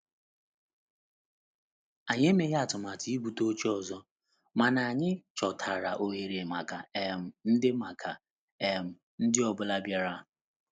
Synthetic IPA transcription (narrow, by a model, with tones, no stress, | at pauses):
a˨ɲ˦e˦me˨ja˦a˨tʊ˨ma˨tʰi˨i˦bu˨to˦t͡ʃi˦ɔ˨zɔ˦ | ma˨na˨ɲɪ˦t͡ʃɔ˨tʰa˨ɾa̰˨ʔo˦ɦe˨ɾe˨ma˨ka˨ɛ˨m̩˨n̩˦dɪ˦ma˨kʰa˨ | e˨m̩˨ | n̩˦dɪ˦ɔ˨bʊ˦la˦bja˦ɾa˦˨